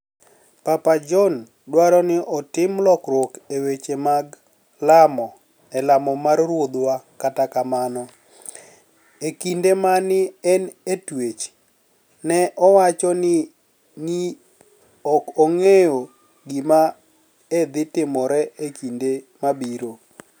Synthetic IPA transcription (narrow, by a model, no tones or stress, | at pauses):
papad͡ʒɔn | dwaɾɔnɪʔɔtɪmlɔkɾokewet͡ʃemaɡ | lamɔ | ɛlamɔmarrwod̪wakatakamanɔ | ekindemanɪɛnetwet͡ʃ | nɛʔɔwat͡ʃɔnɪ | ni | ɔkɔŋejo | ɡima | ed̪ɪtɪmɔɾɛekinde | mabiɾo